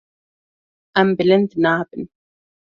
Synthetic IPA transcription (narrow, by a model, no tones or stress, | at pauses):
ʔambɪlɪnt̪naːbɪn